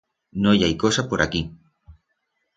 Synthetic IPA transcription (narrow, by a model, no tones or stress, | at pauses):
nojajkosapoɾaki